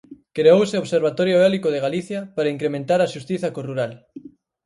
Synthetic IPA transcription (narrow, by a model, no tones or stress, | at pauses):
kɾeowseoβseɾβ̞at̪ɔɾjoelikoðeɣaliθjapaɾaiŋkɾemẽnt̪aɾaʃust̪iθɐkoruɾal